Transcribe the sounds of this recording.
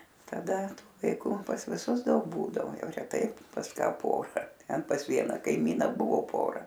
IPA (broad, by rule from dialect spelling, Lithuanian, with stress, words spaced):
tɐˈdɐ ˈtʊ ʋɐɪˈkʊ pɐs ʋʲɪˈsʊs ˈdɐʊk ˈbuːdɐʋoː ˈjɛʊ rʲɛˈtɐɪ pɐs ˈkɐ ˈpoːrɐ ˈtʲɛn pɐs ˈʋʲiɛnɑː kɐɪˈmʲiːnɐ ˈbʊʋoː ˈpoːrɐ